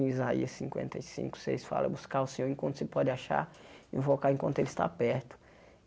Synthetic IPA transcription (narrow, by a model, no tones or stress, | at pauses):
izaiɐssĩŋkwḛ̃nt̪ejsḭ̃ŋkʊ̥sḛjsfa̰lɐ̰buskaʊsẽɲoɾẽkwɐ̃t̪ʊsepɔd͡ʒɪaʃa̰ɾḭ̃fokaẽkwɐ̃nt̪ʊelɪst̪a̰pɛɾt̪ʊ̥